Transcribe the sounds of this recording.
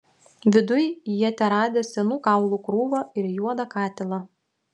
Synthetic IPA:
ʋʲɪd̪ʊjjiɛt̪ʲɛɾɑːd̪ʲesʲɛnuːkɑˑʊlˠuːkɾuːʋoːɪɾjuɔd̪ɐkɑːt̪ʲɪlˠɐ

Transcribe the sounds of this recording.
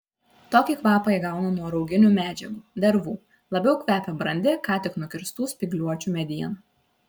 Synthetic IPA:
t̪oːkʲiːkʋɑːpɐjɡɑˑʊnɐnuɔɾɒʊɡʲɪnʲuːmʲæːd͡ʒʲɛɡuːd̪ʲɛɾʋuː | lˠɐbʲɛʊkʲʋʲæːpʲɛbɾɐnʲd̪ʲɪkɑːt̪ʲɪknʊkʲɪɾst̪uːsʲpʲɪɡlʲuɔt͡ʃʲuːˑmʲɛd̪ʲijɛnɐ

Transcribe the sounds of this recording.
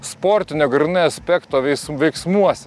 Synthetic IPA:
spoːɾʲt̪ʲɪnʲoːɡɾʲɪnɐɐsʲpʲɛkt̪oːʋʲɛɪsʋʲɛɪksmuɔsʲɛ

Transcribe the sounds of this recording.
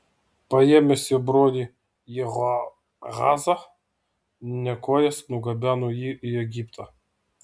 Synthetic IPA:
pɐjɛmʲɛsʲɛbɾɔd̪ʲi | jɛɣɔ | ɣa̰zɐ | nʲɛkɔjɛsnʊɡɐbʲanuiiɛɡʲipt̪ʰɐ

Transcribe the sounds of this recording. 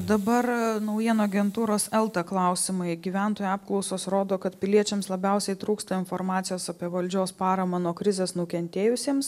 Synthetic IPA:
d̪ɐbɐrnɐʊjiɛnoːɐɡʲɛnt̪uːɾoːsɛlˠt̪ɐklˠɐʊsʲɪmɐɪɡʲiʋʲæˑnt̪oːjuɑːp̚klˠɒʊsoːsɾoːd̪oːkɐt̪pʲɪlʲiɛt͡ʃʲɛmslˠɐbʲɛʊsʲɛɪt̪ɾuːkst̪ɐɪnfoɾmɑːt̪ʲɪjoːsɐpʲiɛʋɐlʲd͡ʒʲoːspɑːɾɐmɐnuɔkɾʲɪzʲeːsnʊkʲɛnʲt̪ʲeːjʊsʲeːms

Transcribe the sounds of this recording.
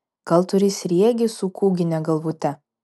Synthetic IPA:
ɡ̥ɐlˠt̪ʊɾʲɪsʲɾʲiɛɡʲɪsʊkuːɡʲɪnʲɛɡɐlˠʋut̪ʲɛ

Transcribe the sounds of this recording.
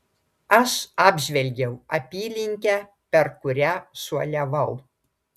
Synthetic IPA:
ɐʃɑːbʲʒʲʋʲɛlʲɡʲɛʊɐpʲiːlʲɪŋʲkʲæː | pʲɛɾkʊɾʲæːsuɔlʲɛʋɐʊ

